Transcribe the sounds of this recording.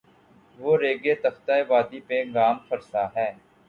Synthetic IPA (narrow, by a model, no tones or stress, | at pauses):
ʋoːɾeːɡeːt̪əft̪aːeʋaːd̪ipeɡaːmfʰəɾsaɦɛː